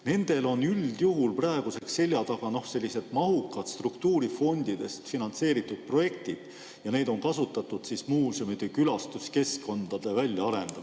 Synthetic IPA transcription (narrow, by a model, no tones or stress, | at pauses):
ne̞nd̪̥e̞lo̞nyld̪̥juɦulprɑeɡ̥use̞ksːe̞lʲjɑt̪ɑɡ̥ɑno̞hse̞lʲːise̞t̪mɑɦukːˑɑt̪st̪rukt̪uːɾifo̞nd̪̥id̪̥e̞st̪finɑnt̪se̞ːɾit̪ːˑud̪̥̚pro̞je̞kt̪id̪̥ | jɑne̞d̪̥o̞ŋkɑsut̪ːˑɑt̪ːˑud̪̥sismuːsemit̪ekylɑst̪uske̞skːo̞nd̪̥ɑd̪̥e̞vælʲjɑɑɾe̞nd̪̥ɑ